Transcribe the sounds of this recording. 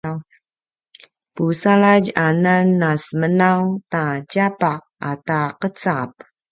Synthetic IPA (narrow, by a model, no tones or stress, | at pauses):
w | pusalaɟananːasmənawtacapaq̚ataqət͡sap̚